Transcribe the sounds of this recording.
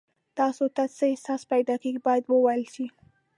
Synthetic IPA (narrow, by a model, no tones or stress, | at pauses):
t̪ɑsot̪at͡səɪsɑspajd̪ɑkeɡibɑjad̪wəwajəlʃi